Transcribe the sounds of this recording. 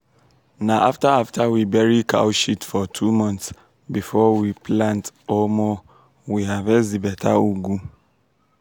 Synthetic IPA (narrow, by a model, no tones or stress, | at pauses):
nãʔaftaaftʰawibɛɹikʰa̰wʃitfɔtʰumɔ̃nts | bifɔwipʰlãntɔlmɔ | wiɦavɛzibɛtʰa̰uɡu